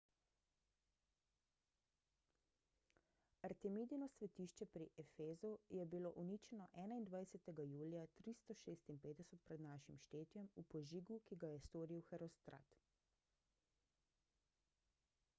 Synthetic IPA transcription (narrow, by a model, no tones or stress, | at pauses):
aɾt̪ɛmiːd̪ijnɔsʋɛt̪iːʃt͡ʃɛpɾiʔɛfeːzujɛbiloʔuniːt͡ʃɛnɔʔɛːnaind̪ʋajsɛt̪ɛɡajuːljat̪ɾist̪ɔʃeːst̪inpeːd̪d̪ɛsɛt̪̚pɾɛd̪naːʃimʃt̪eːt̪jɛmupɔʒiːɡukiɡajɛst̪oːɾiwxɛɾɔst̪ɾa̰ːt̪